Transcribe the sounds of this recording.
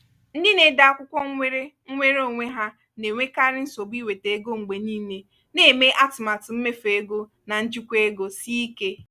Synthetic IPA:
n̩˦di˦ne˦da˨a˦˨kʷʊ˦kʷɔ˦ŋ̩ʷ˦e˦ɾe˦ŋ̩˦ŋʷe˦ɾo˦˨ŋʷe˦ɦa˦ | ne˨ŋʷe˦ka˦ɾɪ˦n̩˦so˨bi˦we˨te˨e˦ɡo˦ŋ͡m̩˨ɡ͡be˨niː˦ne˦ | ne˦˨me˦ʔa˦tma˨tʊ˨m̩˦me˦fe˨e˦ɡo˦ | na˨n̩˦d͡ʒu˦kʷe˦ɡo˨si˦i˦ke˦

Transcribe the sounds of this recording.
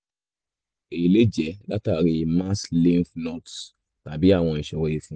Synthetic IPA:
e˨le˦d͡ʒɛ˨˦la˦ta˦˨ɾi˧ma˦slĩ˦nfno˦˨t | ta˨bi˨˦a˦˨w̃ɔ̃˧i˨ʃɛ˨wɔ˦je˦fũ˦

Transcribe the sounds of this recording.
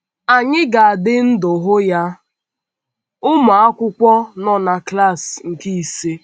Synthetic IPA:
a˨ɲɪ˦ɡa˨a˨dɪ˦n̩˦dʊ˨ɦʊ˦ja˦ | ʊ˦ma˨a˦kʷʊ˦kʷɔ˦nɔ˦na˨kla˦˨sŋ̩˨ki˦i˨se˦

